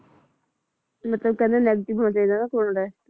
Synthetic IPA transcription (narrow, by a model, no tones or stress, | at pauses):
mət̪ləb̚kɛ̃ːeːnɛːɡəʈɪbʱɦoːnaːt͡ʃaːiːd̪aːnaːkoːɳɾɛː